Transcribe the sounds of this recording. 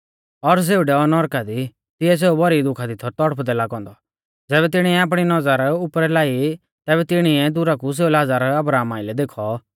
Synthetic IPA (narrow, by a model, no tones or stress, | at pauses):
ɔɾs̬eːuɖɛɔnɔɾkad̪i | t̪ɪɛs̬eːubɔɾid̪ʊkʰad̪ɪt̪ʰɔt̪ɔɽəpʰd̪ɛlakɔ̃ːnd̪ɔ | d͡zɛːβɛt̪ɪɽ̃iɛaːp̬ɽ̃inɔd͡zaːɾʊpɾɛlaːi | t̪ɛːβɛt̪ɪɽ̃iɛd̪ʊɾakus̬eːulad͡zaːɾɐbɾaːmaːɪlɛd̪eːkʰɔ